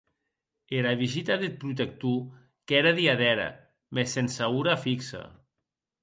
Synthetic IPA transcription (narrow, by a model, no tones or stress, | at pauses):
eɾaβizit̪aðet̪̚pɾut̪̬ek̚t̪u | kɛɾaðiaðɛɾa̰ | mesensauɾafiksa̰